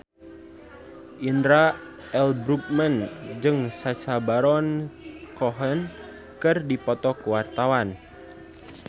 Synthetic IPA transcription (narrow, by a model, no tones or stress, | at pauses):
ʔindɾa | ɛlbɾup̚mənd͡ʒɨŋsasabaɾɔnkɔɦən | kɨrdipɔt̪ɔkuwart̪awan